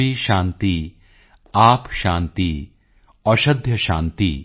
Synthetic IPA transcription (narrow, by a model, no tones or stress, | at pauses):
iːʃãːnt̪i | aːpʃaːnt̪i | ɐʃɐd̪ʱjɐʃã̰ːnt̪ḭ